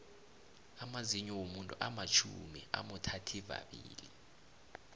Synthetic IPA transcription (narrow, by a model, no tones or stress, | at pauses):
amaziɲɔwomuntʼuʔamat͡ʃʰumia̰mutʰatʰiva̰ɓiːli